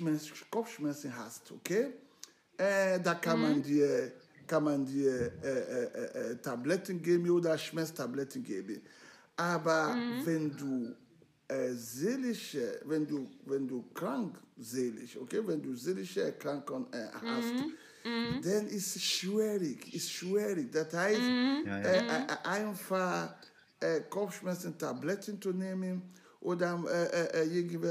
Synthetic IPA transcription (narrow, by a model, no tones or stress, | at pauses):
mɛskɔfʃmɛsənɦa̰stokʰeː | ɛdakanmandiːɐ | kanmandiːɐɛɛʔɛʔɛtablɛtən̩ɡeːbən̩oːdɐʃmɛstʰablɛtən̩ɡḛːbən | ʔaːbɐvɛnduː | ɛzeliʃəvɛnduːvɛnduːkʁ̥aŋkzeːlɪ̰ço̰kʰeːvɛnduːzeːlɪçəkʁ̥aŋkənɛ̰ha̰st | d̥anɪsʃviʁɪçɪstʃviːʁɪd̥ashaɪstɛʔaɪnfaχ | ʔɛkʰɔfʃmɛt͡səntablɛtʰənt͡suneːmən | ʔoːdɐɛʔɛʔɛɪɡnvɛ